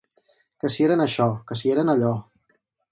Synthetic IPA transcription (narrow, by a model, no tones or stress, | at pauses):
kəsieɾənəʃɔkəs̬ieɾənəʎɔ